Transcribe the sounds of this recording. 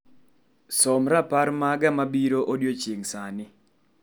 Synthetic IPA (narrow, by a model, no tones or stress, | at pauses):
sɔmɾapaɾmaɡamabiɾoʔodjot͡ʃeŋsanɪ